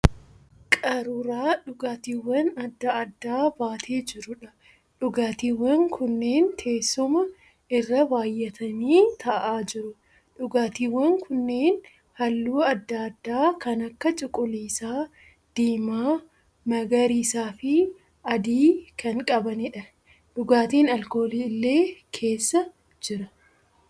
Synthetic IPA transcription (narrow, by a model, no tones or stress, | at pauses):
kʼɐɾʊɾaːᶑʊɡaːt̪iːwːɐnɐd̪ːɐʔɐd̪ːaːbaːt̪ʰeːd͡ʒɪɾʊᶑɐ | ᶑʊɡaːt̪iːwːɐŋkʰʊnːe̞ːnt̪ʰe̞ːsːɔmɐ | ɪrːɐbaːjːɛt̪ʰɐniːt̪ʰɐʔaːd͡ʒɪɾʊ | ᶑʊɡaːt̪iːwːɐŋkʰʊnːe̞ːn | hɐlːuːɐd̪ːad̪ːaːkɐnɐkːɐt͡ʃʼɪkʼʊliːsaː | d̪̥iːmaː | mɐɡɐɾiːsaːfɪ | ɐd̪iːkʰɐŋkʼɐbɐnɪᶑɐ | ᶑʊɡaːt̪iːnɐlko̞ːliːɪlːe̞ːkʰe̞ːsːɐ | d͡ʒɪɾɐ